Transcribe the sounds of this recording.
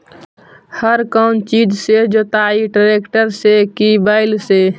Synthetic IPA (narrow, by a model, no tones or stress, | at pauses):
həɾkənt͡ʃid͡ʒsed͡ʒot̪aiʈɾekʈəɾsekibaɪlse